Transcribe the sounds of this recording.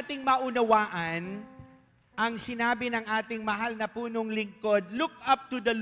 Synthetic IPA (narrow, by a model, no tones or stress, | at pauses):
t̪ɪŋmɐʔʊnɐwaːʔɐn | ʔɐŋsɪnaːbɪnɐŋʔaːt̪ɪŋmɐɦalnɐpuːnoŋlɪŋko̞d̪̚luk̚ʔɐp̚t̪ʊd̪ɐl